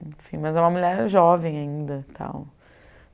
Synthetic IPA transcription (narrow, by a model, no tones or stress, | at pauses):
ẽfĩmɐzɛũmɐmuʎɛɾʒɔvẽj̃aĩnd̪ɐt̪ʰã̰w̃